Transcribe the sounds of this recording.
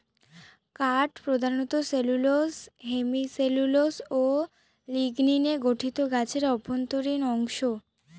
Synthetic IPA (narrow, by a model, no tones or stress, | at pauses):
kaʈpɾod̪ʱaɾnɔt̪oselulosɦemiseluloso | liɡnineɡoʈʰit̪oɡat͡ɕʰeɾɔbʱont̪oɾinɔŋʃo